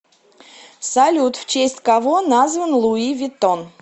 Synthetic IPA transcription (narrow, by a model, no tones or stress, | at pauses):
salʲut̪ft͡ɕesʲtʲkavonazvənlˠuivʲɪt̪on